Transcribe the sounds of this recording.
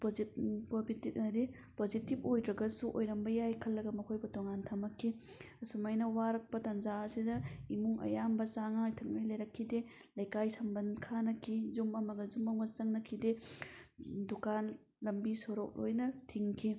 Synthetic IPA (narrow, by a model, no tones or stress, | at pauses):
pozitkobititdi | pozitip̚ojdɾɐɡɐsuʔojɾɐmbɐjajkʰɐlːɐɡɐmɐkʰojbɐtoŋantʰamɐkʰːi | ɐsumajnɐwaɾɐk̚pɐtɐnzaɐsidɐimuŋʔɐ̰jambɐsaŋɐajtʰɐk̚najlɐjɾɐkʰːide | lɐjkajsɐmbɐnkʰanɐkʰizumɐmɐɡɐzumɐŋbɐsɐŋnɐkʰide | dukan | lɐmbisoɾok̚lo̰jnɐtʰiŋkʰi